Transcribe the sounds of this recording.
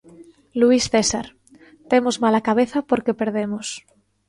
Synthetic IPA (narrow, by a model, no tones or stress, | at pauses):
luisθesaɾ | t̪emozmalakaβ̞eθapoɾkepeɾðemos